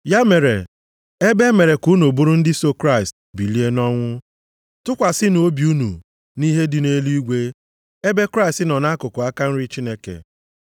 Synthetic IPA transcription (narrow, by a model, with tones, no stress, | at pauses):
ja˦me˨ɾḛ˨ | e˦be˦me˨ɾe˨ku˦no˨bu˦ɾu˦n̩˦dɪ˦so˦kɾa˦ɪ˨st̚ | bi˨li˦e˦nɔ˦ŋʷʊ˦ | tʊ˦kʷa˨sɪ˦n˨o˦bi˨u˦nṵ˨ | ni˦ɦe˦dɪ˨ne˦lu˦i˦ɡʷe˦ | e˦be˦kɾa˦ɪ˨stɪ˦nɔ˨na˦kʊ˨kʊ˨a˦ka˦n̩˦ɾi˦t͡ʃi˦ne˦kḛ˨